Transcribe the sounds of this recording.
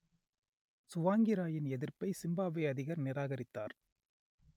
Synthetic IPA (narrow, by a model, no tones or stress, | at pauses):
sʊʋaːŋɡɪɾaːjɪnɛðɪɾpɐɪsɪmbaːʋɐɪɐðɪɣɐɾnɪɾaːɣɐɾɪt̪ːa̰ːɾ